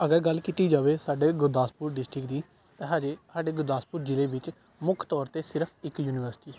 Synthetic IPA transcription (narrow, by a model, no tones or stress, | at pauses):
əɡəɾɡəlkiːt̪iːd͡ʒaːʋeːsaːɖeːɡʊɾd̪aːspuːɾɖɪsʈɾɪkd̪iː | t̪ẽːɦaːd͡ʒeːsaːɖeːɡʊɾd̪aːspuːɾd͡ʒɪleːʋɪt͡ʃ | mʊkʰt̪ɔːɾt̪eːsɪɾpʰɪkjuːnɪːʋəɾsɪ̥ʈiː